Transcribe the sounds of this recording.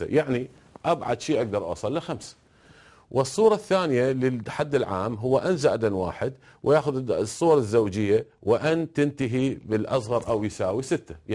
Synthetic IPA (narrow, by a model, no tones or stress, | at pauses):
a̰jaʕni | ʔabʕa̰d̪ʃiːʔaɡ̚d̪ɑɾˤʔɑ̰sˤɑlːɪxamsḁ | wʔɨsˤːuːɾˤɑθːaːnɪjalɪħad̪ːɪlʕaːmɦʊwːaʔanzaʔd̪anwa̰ːħɪd̪ | wʔɪjaːxʊðsˤːuːwɑɾˤɪzːaːd͡ʒɪjːawɪʔant̪ɪnt̪aɦibɪlʔɑ̰sˤɣɑɾˤʔawjsaːwisɪt̪ːḁ